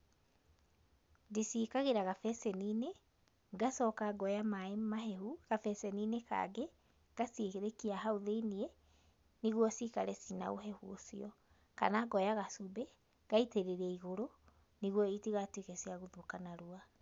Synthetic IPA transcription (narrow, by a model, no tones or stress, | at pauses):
ndisikaɣeɾaɣafɛsɛnine | ɡasɔkaɡɔjamaemaɦɛhuɣafɛsɛnineka̰ɡe | ɡ̥asiekeɾekiaɦaoðeinie | niɣwɔsikaɾɛsina̰o̰ɦɛhṵsiɔ | ka̰naɡɔjaɣasobɛ | ɣ̥aiteɾeɾɛiɣoɾo | niɣwɔitiɣatwekɛsiaɣoðokanaɾua